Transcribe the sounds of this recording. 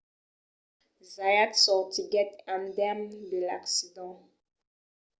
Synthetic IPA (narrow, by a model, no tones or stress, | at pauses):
zajatsɔʁtiɡɛtãndɛmdəla̰ksidɑ̃